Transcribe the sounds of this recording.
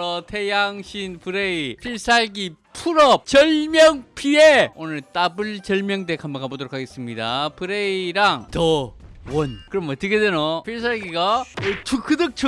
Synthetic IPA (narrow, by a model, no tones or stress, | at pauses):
ʌtʰejaŋɕʰinpɯɾeipʰiɭs͈ʰaɭɡipʰuɾʌp̚t͡ɕʌɭmjʌŋpʰieonɯɭt͈abɯɭt͡ɕʌɭmjʌŋdekʰamʌkʰabodoɾokʰaɡe̞s͈ɯmɲidapɯɾeiɾaŋtʌwʌnkɯɾʌmʌt̪͈ːɯkʰedeɾopʰiɭs̬ʰaɭɡiɡaɯt͡ɕʰukʰɯdɯk̚t͡ɕʰɯ